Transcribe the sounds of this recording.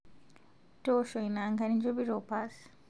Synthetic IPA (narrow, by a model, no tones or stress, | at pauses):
toʃojnaŋɡanind͡ʒobiɾopas